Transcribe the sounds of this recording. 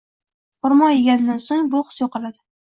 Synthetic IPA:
ʊɾmɒjeɡʲand̪ansoŋbʊqsjoqɑlad̪ɪ

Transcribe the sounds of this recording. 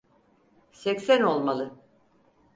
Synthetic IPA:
sɛcsæno̞lˠmalˠɯ

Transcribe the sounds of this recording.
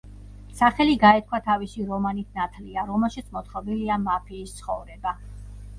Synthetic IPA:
saχɛliɡaɛt̪̚kʰwat̪ʰavisiɾɔmanit̪ʰnat̪ʰliaɾɔmɛlˠʃit̪sʰmɔt̪ʰχɔbiliamapʰiːst̪sʰχɔvɾɛba

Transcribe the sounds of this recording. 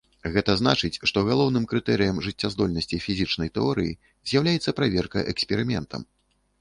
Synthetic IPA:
ɣɛt̪ɐznat͡ʂɨt͡sʲʂt̪ɔɣalˠɔwnɨmkɾɨt̪ɛɾɨjɐmʐɨt͡sʲːazd̪ɔlʲnɐsʲt͡sʲifʲizʲit͡ʂn̪ɐjt̪ɛɔɾɨji | zʲjawlʲajɛt̪sːɐpɾavʲɛrkɐ̰ʔɛksʲpʲɛɾɨmʲɛnt̪ɐ̰m

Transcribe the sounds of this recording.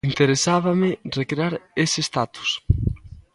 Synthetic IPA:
int̪eɾesaβamɪrekɾeaɾesest̪at̪u̥s

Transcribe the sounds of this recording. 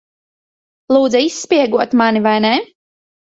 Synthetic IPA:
lˠuːd̪zaisːpʲiɛɡuɔt̪manivajnɛ

